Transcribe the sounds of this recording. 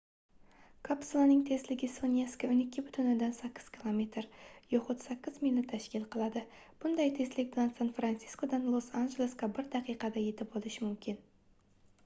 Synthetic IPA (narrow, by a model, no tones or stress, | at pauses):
kʰapsulˠanɪŋt̪ʰe̞slɪɡʲɪsonʲjeskaʊnɪkʲːɪbʏt̪ʰʊnɪd̪ansakʲːɪ̥z̥kʲʰilˠome̞t̪ɾjoχʊt̪sakʲːɪzmilʲnɪt̪ʰːæʃkʲilˠqʰəlˠɑd̪ɪ | b̥ʊnd̪ɑjt̪ʰe̞slɪk̚ʲbɪlʲansanfɾant̪si̥sko̞d̪anlˠosanʒelʲˠeskɑbɪɾd̪ɑqijqɑd̪aje̞t̪ɪp̚bolˠɪʃɪmʊmkʲɪn